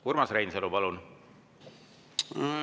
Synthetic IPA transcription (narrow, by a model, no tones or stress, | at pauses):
kuɾmɑsrejnselupɑlun